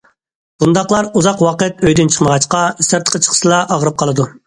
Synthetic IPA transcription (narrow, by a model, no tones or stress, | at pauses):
b̥und̪ɑqlˠɑɾuzɑqwɑqət̪̚øjd̪ynt͡ʃʰə̥χməʁɑt͡ʃqɑyst̪æɾt̪ʰə̥qʰət͡ʃʰə̥χʰə̥ʃɨlˠɑʔɑʁəɾɨp̚qʰɑlˠɨd̪u